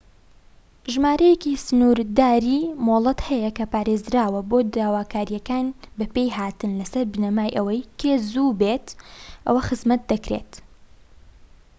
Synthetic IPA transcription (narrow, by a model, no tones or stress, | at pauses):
ʒmaːɾɐjekisɨnuːɾd̪aːɾiːmoːlˠɐt̪hɛjɐkɐpaːɾeːzɾaːwɐboːd̪aːwaːkaːɾijɐkaːnbɐpejɦaːt̪ɨnlɐsɐɾbɨnɐmaːjʔɐwɐjkʰeːzuːbeːt̪ʔɐ̰wɐxɨzmɐt̪̚d̪ɐkɾḛːt̪